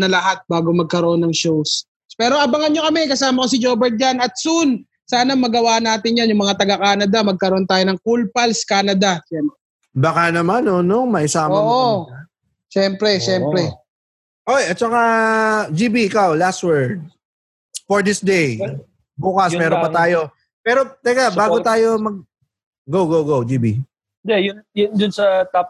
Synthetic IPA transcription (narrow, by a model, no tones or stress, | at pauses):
nɐlɐɦat̪̚baːɡomɐɡ̚kɐɾoʔo̞nːɐŋʃows | pɛːɾo̞ʔɐbɐŋɐnɲokɐmɛkɐsaːmɐkos̬ɪd͡ʒoːbɛɹt̪̚d͡ʒanɐt̪̚sun | saːnɐmɐɡɐwaːʔnːaːt̪ɪnjanjʊŋmɐŋat̪ɐɡɐkaːnɐd̪amɐɡ̚kɐɾoʔo̞nt̪aːjonɐŋkulpɐlskaːnɐd̪aʃɛmɛ | bakanɐmanonoŋmɐʔɪsaːmɐːʔo | ʃɛmpɾɛʃɛmpɾɛ | ʔojʔɐt̪̚t͡ʃɐkad͡ʒiːbiɪkawlast̪̚wɛɹd̪̚ | foɹd̪ɪsd̪ej | buːkɐspɛːɾopɐt̪aːjo̞ | pɛːɾo̞t̪ɐɡabaːɡot̪aːjo̞mɐɡ̚ | ɡowɡowɡowd͡ʒiːbi | ɪnd̪ɛjʊnjʊnd̪ʊnsɐt̪a